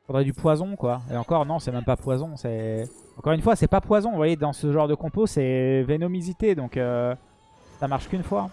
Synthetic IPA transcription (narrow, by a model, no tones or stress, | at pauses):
fɔd̪ʁɛd̪ypwazɔ̃kwaḛɑ̃kɔʁnɔ̃sɛmɛmpapwazɔ̃sɛ | ɑ̃kɔʁynfwasɛpapwazɔ̃vwajed̪ɑ̃səʒɑ̃ʁd̪əkɔ̃posɛvenomizit̪ed̪ɔ̃kø | samaʁʃkynfwa